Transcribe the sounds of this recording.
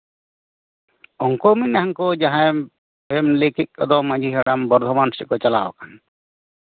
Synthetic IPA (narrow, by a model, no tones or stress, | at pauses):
ɔŋkɔmiaɦaŋkɔd͡ʒaɦãɛ | pemlekit̪̚ˀkɔ̰d̪ɔmãd͡ʒʱiɦɛɽambɔɾd̪ʱɔmansiʔkɔt͡ʃala̰wɔ̰kʰan